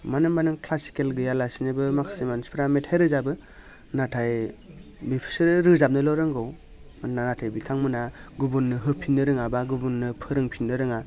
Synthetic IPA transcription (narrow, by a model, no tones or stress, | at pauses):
manɯmbanɯŋkʰlasi̥kelɡɯjalasinɯbɯmakʰsimanspʰɾametʰajɾɯzabɯ | natʰaj | bipʰi̥sɯɾɾɯzap̚nɯlɔɾɯŋɡɯw | nanatʰajbikʰaŋmɯnaɡubunːɯɦɯpʰinːɯɾɯŋabaɡubunːɯpʰɯɾɯŋpʰinɯɾɯŋa